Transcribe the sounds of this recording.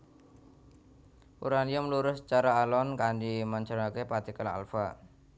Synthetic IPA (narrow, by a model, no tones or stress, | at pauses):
ṵɾanijamluɾʊst͡ʃaɾaːlɔnkandimaɲt͡ʃəɾakepat̪ikəla̰lfa